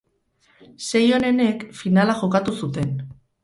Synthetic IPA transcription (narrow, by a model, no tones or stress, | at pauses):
se̞jo̞ne̞ne̞kfinalaxo̞kat̪usut̪e̞n